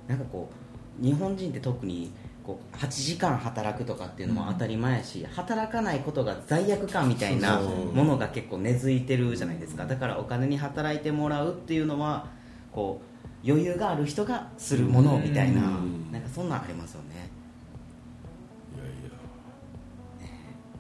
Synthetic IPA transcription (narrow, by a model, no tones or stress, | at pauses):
nãŋkako̞ː | ɲ̟iɦõ̞ɲ̟d͡ʑĩnt̪ːe̞t̪o̞kɯ̟ɲ̟iko̞̰ːhat͡ɕiʑikãɰ̃ɦat̪aɾakɯ̟t̪o̞kat̪ːe̞iɯ̟no̞̰mo̰a̰t̪aɾʲimae̞ɕḭhat̪aɾakanaiko̞t̪o̞ɡazaijakɯ̟kãmːʲit̪ainamo̞no̞ɡake̞kːo̞ːne̞zɨit̪e̞ɾɯ̟ʑanaid̪e̞sɨ̥kad̪akaɾa̰o̞kane̞ɲ̟iɦat̪aɾait̪e̞mo̞ɾaɯ̟t̪ːe̞jɯ̟no̞βa | ko̞ː | jo̞jɯ̟ːɡaːɾɯ̟çi̥t̪o̞ɡasɨɾɯ̟mo̞no̞mʲit̪aina̰nãŋkasõ̞nːã̰a̰ɾʲimasɨjo̞̰ne̞̰ | e